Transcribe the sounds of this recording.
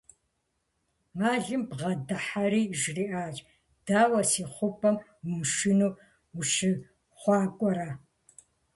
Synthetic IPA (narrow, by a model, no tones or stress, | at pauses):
maːɮɨmbʁɐdɨħaɾiːʒriʔaːt͡ʃʼ | d̥aːwɐsiːχʷʊpʰʼɐmwʊmʃɪnuː | ʊʃɨ | χʷɑːkʷʼɔɾa